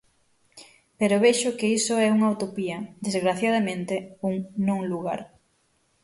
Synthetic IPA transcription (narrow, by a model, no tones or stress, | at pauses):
peɾoβeʃʊkeisʊɛuŋaut̪opiɐd̪ezɣɾaθjað̞ɐmẽnt̪euŋnõŋluɣa̰ɾ